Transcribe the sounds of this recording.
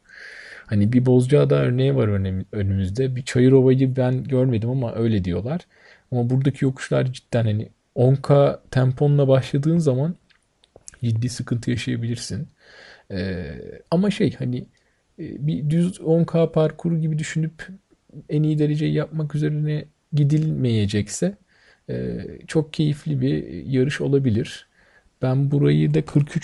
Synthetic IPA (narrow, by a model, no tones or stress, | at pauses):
hanibibo̞zd͡ʒaːd̪aːøɾnejɛvaɾønønymyzd̪ɛbit͡ʃʰajɯɾo̞βajlˠɯbænɟøɾme̞d̪imamaʔø̞jlʲɛd̪ijo̞̰lˠaɾ̥ | amabuɾd̪acʰijo̞kʰu̥ʃlˠa̰ɾd͡ʒit̪ːænhani | oŋkʰaːt̪ʰæmpʰo̞nlˠabaʃlˠad̪ɯːnzaman | d͡ʒid̪ːiːsɯkʰɯnt̪ʰɯjaʃajabilʲiɾsin | ɛamaʃejhani | bid̪yzoŋkʰaːpʰaɾkʰuɾuɟibid̪yʃynyp | enijid̪e̞ɾe̞d͡ʒejijap̚makyze̞ɾinɛ | ɟid̪ilʲme̞jed͡ʒɛcsɛ | ɛ̰ːt͡ʃʰo̞k̚cʰe̞jiflʲibijaɾɯʃo̞lˠabilʲiɾ̥ | b̥ænbuɾajɯd̪akʰɯɾkʰyt͡ʃ